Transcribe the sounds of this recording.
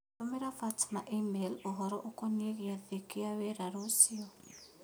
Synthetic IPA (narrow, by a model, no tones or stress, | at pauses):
ɔmɛɾafatmaʔimelɔɦɔɾɔʔokɔneɣiaðekiawɛɾaɾosiɔ